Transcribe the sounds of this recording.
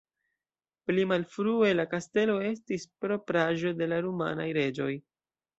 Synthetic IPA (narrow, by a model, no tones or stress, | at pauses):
plimalfɾue̞lakaste̞lo̞e̞s̬tispɾo̞pɾaʒo̞de̞laɾuma̰najɾe̞d͡ʒo̞j